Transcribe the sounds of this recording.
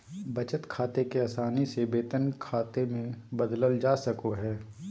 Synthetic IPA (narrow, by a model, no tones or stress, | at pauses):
bɐt͡ʃət̪kʰaːt̪ekeaːsaːnisebeːt̪ənkʰaːt̪emẽbɐd̪ləld͡ʒaːsɐkoɦɛː